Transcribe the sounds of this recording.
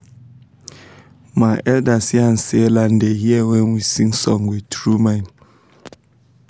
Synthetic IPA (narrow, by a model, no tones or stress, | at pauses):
maʔɛldasiansɛlandɛhiɛwɛnwisiŋsɔŋɡwitɹuman